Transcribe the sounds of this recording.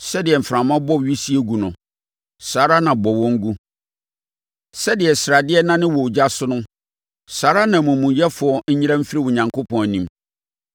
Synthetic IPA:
sɛ˦dɪ˨ɛ˨m̩˨fɾã˨mã˦bɔ˦˨ɥi˦si˦e˦ɡu˨nʊ̃˨ | saː˨˦ɾa˦nã˨bɔ˨wɔ̃˦ŋ̩˦ɡu˦ | sɛ˦dɪ˨ɛ˨sɾa˨dɪ˦ɛ˦nã˦nɪ̃˦wɔ˨d͡ʑa˦sʊ˦nʊ̃˦ | saː˨˦ɾa˦nã˨mũ˨mũ˨jɛ˦fʊ˨ɔ˨ɲ̩˦ɲi˦ɾã˦m̩˦fɪ˦ɾi˦wʊ˨ɲã˨ŋkʰo˦pʰɔ̃˨n˨nĩ˨˦m

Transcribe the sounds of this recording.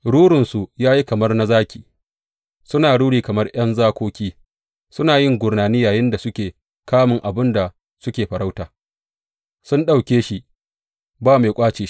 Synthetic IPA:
ɽuː˦ɽɪ˨nsu˨jaː˦ji˦kɐ˨mɐ˦rna˦zaː˦kʲiː˨ | sʊ˦naː˨ɽuː˦ɽiː˨kɐ˨mɐ˦rʔj̰ɐ˦nzaː˦kʷoː˦kʲiː˦ | sʊ˦naː˨jɪ˦ŋɡʷʊ˨rnaː˨niː˦jaː˨jɪ˦nda˨sʊ˦kʲeː˨ | kaː˦mɪ˨ŋʔa˨bɪ˦nda˨ | sʊ˦kʲeː˨ɸɐ˨ɽa˦wtaː˨ | sʊ˦nɗa˨wkʲeː˦ʃi˦ | baː˦ma˨jkʷʼaː˦t͡ʃeː˨ʃ

